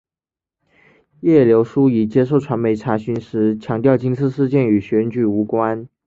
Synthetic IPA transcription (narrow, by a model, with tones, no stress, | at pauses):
jɛ˥˩ljo˧˥ʊʂu˥i˨˩t͡ɕjɛ˥ʂ̬o˥˩ʊʈ͡ʂʰwa˧˥nme˧˥ɪʈ͡ʂʰa˧˥ɕy˧˥nʂɻ̩˧˥t͡ɕʰjɑ˧˥ŋt̪jɑ˥˩ʊt͡ɕi˥ŋsʰɹ̩˥˧ʂɻ̩˥˧t͡ɕjɛ˥˩ny˨˩ɕɥɛ˧˥nt͡ɕy˨˩u˧˥kwa˥n